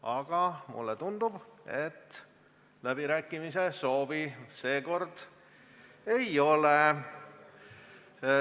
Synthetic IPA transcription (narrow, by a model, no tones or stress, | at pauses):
ɑɡ̥ɑmṵlːet̪und̪ub̥e̞t̪ː | læb̥iɾæːkːˑimise̞so̞ːvise̞ːko̞rd̪̥ | ejo̞le